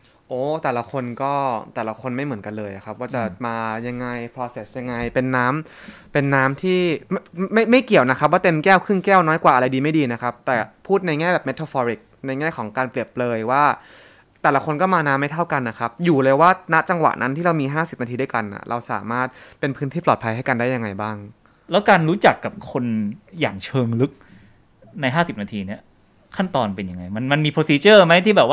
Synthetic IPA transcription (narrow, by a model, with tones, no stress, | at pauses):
ʔoː˨˦t̪ɛː˨˩la˦˥kʰo˧nkɔː˥˩t̪ɛː˨˩la˦kʰo˧nma˥˩jmɯ˩˦nka˧nlɤː˧jʔa̰˨˩kʰa˦˥p̚waː˥˩t͡ɕa˨˩maː˧ja˧ŋːa˧jpʰɾɔː˧se˨˩sja˧ŋːa˧jpe˧nːaː˦˥m | pe˧nːaː˦˥mt̪ʰiː˥˩m˥ma˥˩jma˥˩jki˨˩əwna˦˥kʰa˦p̬̚waː˥˩t̪e˧mkɛː˥˩wkʰɯ˥˩ŋkɛː˥˩wnɔː˦˥jkwaː˨˩ʔa˧ɾa˧jdiː˧ma˥˩jdiː˧na˦˥kʰa˦˥p̚t̪ɛː˨˩pʰuː˥˩t̪̚na˧jŋɛː˥˩bɛː˨˩me˦˥t̪ʰːaː˧fɔː˧ɾi˨˩k̚na˧jŋɛː˥˩kʰɔː˩˦ŋkaː˧npli˨˩əp̚lɤː˧jwaː˥˩ | t̪ɛː˨˩la˦kʰo˧nkɔ˥˩maː˧naː˧mːa˥˩jt̪ʰa˥˩wka˧nːa˦˥kʰa˦˥p̚juː˨˩lɤː˧jwaː˥˩na˦˥t͡ɕa˧ŋwa̰˨˩ʔnʔa˦˥nt̪ʰiː˥˩ɾa˧wmiː˧ɦaː˥˩si˨˩p̚na˧iː˧du˥˩ka˧nːa̰˨˩ɾʔa˧wsa̰ː˩˦maː˥˩t̪̚pe˧npʰɯ˦˥nʰiː˥˩plɔː˨˩t̪̚pʰa˧jɦa˥˩jka˧ndaː˥˩ja˧ŋːa˧jbaː˥˩ŋ | lɛː˦˥wkaː˧nɾuː˦˥t͡ɕa˨˩kːa˨˩p̚kʰo˧nja̰ː˨˩ŋt͡ɕʰɤː˧ŋlɯ˦˥k̚ | na˧jɦaː˥˩si˨˩p̚naː˧t̪ʰiː˧ni˦˥˩ɐ | kʰa˥˩nt̪ɔː˧npe˧nja˧ŋa˧jma˧nma˧nmiː˧pʰo˧˥siː˧t͡ɕɤː˥˩ma˦˥jt̪ʰiː˥˩ɛː˨˩p̚wa˥˩